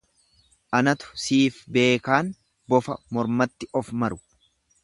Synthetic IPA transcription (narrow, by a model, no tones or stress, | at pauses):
ʔɐnɐt̪ʊ̥siːfbe̞ːkaːn | bɔfɐ̰mɔɾmɐt̪ːɪʔɔfmɐɾʊ̥